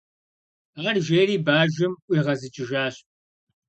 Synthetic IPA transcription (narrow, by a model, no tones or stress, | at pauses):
aːrʒeːriːbaːʒɪmʔʷiːʁɐzɨt͡ʃʼɪʒaːɕʼ